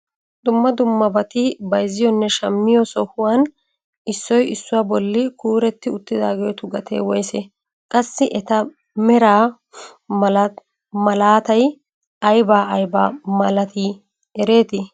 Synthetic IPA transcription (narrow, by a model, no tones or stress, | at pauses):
d̪ʊmːɐd̪ʊmːɐbɐt̪ɪbɐjzɪjɔnːɛʃɐmːɪjɔsɔhʊwan | ɪsːɔjɪsːʊwaːbɔlːɪkuːɾɛt̪ːɪʊt̪ːɪd̪aːɡejɔt̪ʊɡɐt̪ḛːwɔjsɛ̰ | kʼɐsːɪʔɛt̪ɐ | mɛɾaː | l | mɐlaːt̪ɐj | ɐjbaːʔɐjba̰ːmɐlɐt̪iː | ɛɾe̞ːt̪ɪ